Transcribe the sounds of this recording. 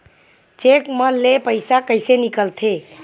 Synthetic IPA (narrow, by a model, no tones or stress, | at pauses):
t͡ʃekməlːepəɪsakəɪsenikəlt̪ʰe